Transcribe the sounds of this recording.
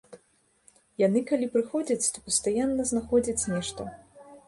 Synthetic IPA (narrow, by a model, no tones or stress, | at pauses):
janɨkalʲipɾɨxɔd͡zʲɐt͡sʲt̪ɔpɐst̪ajanːɐznaxɔd͡zʲɐt͡sʲnʲɛʂt̪ɐ